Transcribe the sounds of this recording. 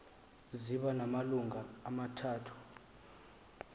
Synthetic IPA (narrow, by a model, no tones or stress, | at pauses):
ziɓanamaluŋʱaːmatʰaːtʰu̥